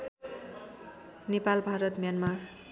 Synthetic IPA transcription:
nepalbʱaɾʌt̪mjanmar

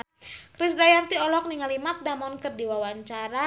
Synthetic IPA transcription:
kɾisdajant̪iɔlɔk̚niŋalimat̪̚damɔnkərdiwawaɲt͡ʃaɾa

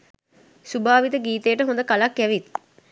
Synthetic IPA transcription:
subaːʋit̪əɡiːt̪ejəʈəɦõnd̪əkalakːæʋit̪

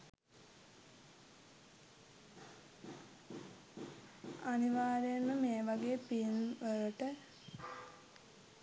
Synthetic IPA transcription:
aniʋaːɾejnməmeːʋaɡeːpinʋəɾəʈə

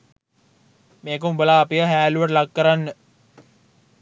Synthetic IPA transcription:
meːkəumbəlaːpijəɦæːluʋəʈəlakːəɾanːə

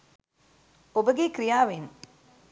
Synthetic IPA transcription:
obəɡikɾijaːʋim

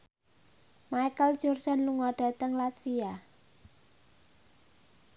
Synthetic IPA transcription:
majkəld̥ʒ̥ord̥a̤nluŋɔɖ̥a̤t̪əŋlat̪fia

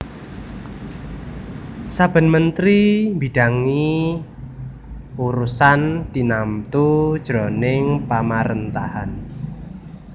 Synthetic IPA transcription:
sab̥ə̤nmənt̪ɾimbiɖ̥a̤ŋi | uɾusand̪̥inamt̪ud̥ʒ̥ɾonɪŋpamaɾənt̪ahan

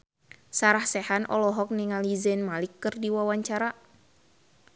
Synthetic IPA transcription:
saɾahsɛhanʔɔ̰lɔɦɔk̚niŋalizɛnmalikːɨrdiwawaɲt͡ʃaɾa

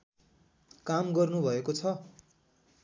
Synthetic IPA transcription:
kamɡʌrnubʱʌekot͡sʰʌ

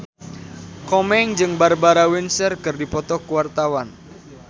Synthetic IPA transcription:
kɔmɛŋd͡ʒɨŋbarbaɾawinsərkɨrdipɔt̪ɔkuwart̪awan

